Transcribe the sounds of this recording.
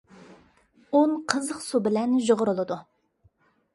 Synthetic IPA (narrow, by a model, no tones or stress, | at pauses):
onqʰəzəqsubɪlɛnʒoʁʊɾʊlˠɨd̪u